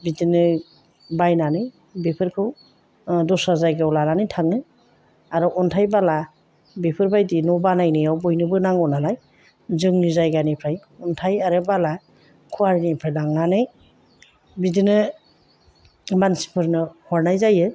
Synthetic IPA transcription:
bidinɯ | bajnanɯj | bepʰɯɾkʰɯw | dɔsazajɡawlananɯjtʰaŋnɯ | aɾɔʔɔntʰajbala | bepʰɯɾbajdinɔbanajnɯjawbɔjnɯbɯnaŋɔnalaj | zɯŋnizajɡanipʰɾajɔntʰajaɾɯbala | kʰuwaɾinipʰɾajnaŋnanɯj | bidinɯ | mansi̥pʰɯɾnɯhɔɾnajzajɯ

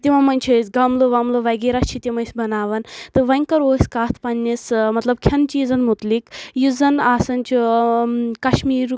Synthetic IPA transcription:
t̪ʲimɐmɐnʲt͡ʃʰesɡɐmloʋɐmloʋɐɡeɾast͡ʃʰit̪ʲimɐjsbɐnaːʋɐnt̪ɨʋɐŋʲkɐɾoːsʲkaːt̪ʰpɐnʲːismɐt̪lɐb̚kʲʰɐnt͡ʃiːzɐnmut̪likjuzɐnaːsɐnʲt͡ʃʰu | kɐʃmiːɾ

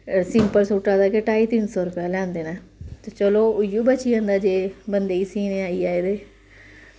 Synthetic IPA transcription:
sɪmpəɾsuːʈːaːd̪aːkeʈaːiːt̪ɪnsɔːɾʊpjaːlɛ̃ːnd̪eːnãːt̪et͡ʃəloːʊjuːbət͡ʃiːə̃nd̪aːd͡ʒeːbənd̪eːiːsiːneːaːiːaːeːd̪eː

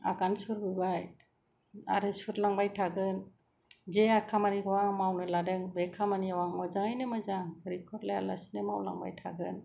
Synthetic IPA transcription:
a̰ɡansuɾbɯbaj | a̰ɾɯsuɾlaŋbajtʰaɡɯn | d͡ʒeakʰamaniɡɔwaŋmawnɯladɯŋbɛkʰamaniawaŋmɔd͡ʒaŋajnɯmɯzaŋkɯɾikʰɔɾlaja̰lasnemawla̰ŋba̰jtʰaɡɯn

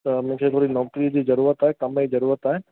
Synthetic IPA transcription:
t̪əmɐ̃ɦkʰet̪ʰoːɾinɐːkɾid͡ʑiːzɐɾuːɾət̪aːekɐmeizɐɾuːɾət̪aːɦe

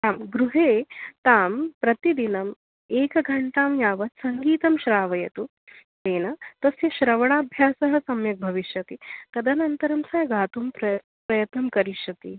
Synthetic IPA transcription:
aːmɡɾuɦeːt̪aːmpɾɐt̪id̪inɐm | eːkɐɡʱɐɳʈaːmjaːʋɐt̪sɐŋɡiːt̪ɐmʃɾaːʋɐjɐt̪u | t̪eːnɐt̪ɐsjɐʃɾɐʋɐɽaːbʱjaːsɐɦɐ̆sɐmjɐk̚bʱɐʋiʃjɐt̪it̪ɐd̪ɐnɐnt̪ɐɾɐmsɐːɡaːt̪umpɾɐ | pɾɐjɐt̪nɐmkɐɾiʃjɐt̪i

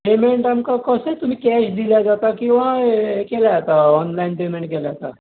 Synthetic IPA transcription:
pemeɳʈamkakəset̪um̤ĩkɛʃd̪iljad͡ʒat̪akĩwʋakelaat̪aɔnlainpemẽɳʈkelaat̪a

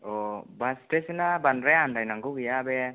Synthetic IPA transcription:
ɔbastesenabanɾeandajnaŋɡuɡijabɛ

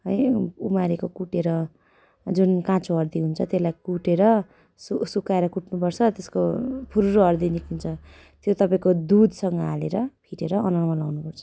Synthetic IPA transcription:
ɦʌjumaɾekokuʈeɾʌ | d͡zunkãt͡sʰoɦʌrd̪iɦunt͡sʰʌt̪jelajkuʈeɾʌ | susukaeɾʌkuʈnupʌrt͡sʰʌt̪eskopʰuɾuɾoɦʌrd̪inikunt͡sʰʌ | t̪jot̪ʌpaĩkod̪ud̪ʱsʌŋɡʌaleɾʌpʰiʈeɾʌːnʌrmʌlawnupʌrt͡sʰʌ̥

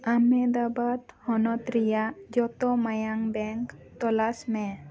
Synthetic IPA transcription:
amɛd̪abat̪hɔnɔt̪ɾijad͡ʒɔt̪ɔmajaŋbɛŋkt̪ɔlasmẽ

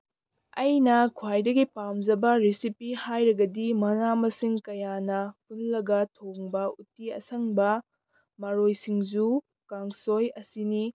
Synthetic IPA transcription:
ɐjnɐkʰwajdɐɡipamzɐbɐɾisipihajɾɐɡɐdimɐŋamɐsiŋkɐjanɐpʰunlɐɡɐtʰoŋbɐutiɐ̰sɐŋbɐ | mɐɾojsiŋzu | kaŋsojɐsini

